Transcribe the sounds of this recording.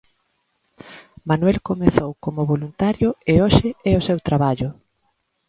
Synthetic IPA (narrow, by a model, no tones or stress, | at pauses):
manwɛlkomeθowkomʊβolunt̪aɾjʊeoʃɪɛʊsewt̪ɾaβaʎʊ